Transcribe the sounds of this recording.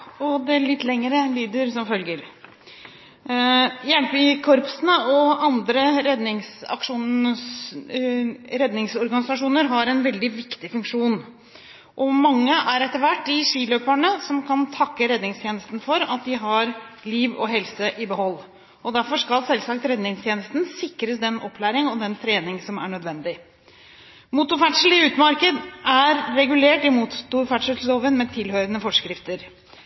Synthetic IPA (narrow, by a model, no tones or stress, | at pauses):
ɔd̪ɛlɪt̪ːlɛŋːəɾəliːd̪əɾsɔmfœlɡəɾ | jɛlpəkʰɔɾpsənəɔɑnd̪ɾəɾɛd̪nɪŋsɑ̰kʂuːn | ɾɛd̪nɪŋsɔɾɡɑnɪsɑʂuːnəɾɦɑɾɛnʋɛld̪ɪʋɪkt̪ɪfʉŋkʂuːn | ʔɔmɑŋːəʔæɾɛt̪ːəɾʋæʈːɪʂiːløːpæɳəsɔmkʰɑnt̪ʰɑkːəɾɛd̪nɪŋst̪jeːnəst̪n̩fɔɾɑt̪̚d̪ɪɦɑɾliːʋɔ̰ɦɛlsəʔɪbəɦɔlː | ʔɔd̪æɾfɔʂkɑlsɛlsɑkt̪ɾɛd̪nɪŋst̪ʰjeːnəst̪n̩sɪkɾəsd̪ɛnɔpːʰlæːɾɪŋɔd̪ɛnt̪ʰɾeːnɪŋsɔmæ̰ɳœd̪ʋɛnd̪ɪ | mut̪ʊfæʈʂəl̩ɪʉːt̪mɑɾkəd̪ʔæɾːɛɡʉleːʈɪmut̪ʊfæʈʂəsoːʋənmɛt̪ʰɪlhœːɾənəfɔʂkɾɪft̪əɾ